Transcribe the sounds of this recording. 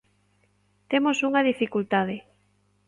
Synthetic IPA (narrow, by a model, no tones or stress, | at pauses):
t̪emosuŋaðifikult̪aðɪ